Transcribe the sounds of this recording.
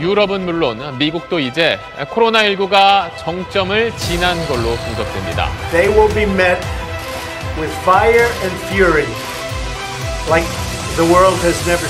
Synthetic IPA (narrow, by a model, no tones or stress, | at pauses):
juɾʌbɯnmuɭːonmiɡuk̚t͈oid͡ʑe̞ | kʰoɾonaiɭɡuɡat͡ɕʌŋt͡ɕ͈ʌmɯɭt͡ɕinanɡʌɭːokoŋd͡ʑʌk̚t͈wemɲida̰ðeɪwɪlˠbimɛt̚ | wɪð̥faɪə˞ɨ̃nfjʊɹi | laɪk̚ | ðəwɜ˞lˠd̚ɨznɛvə˞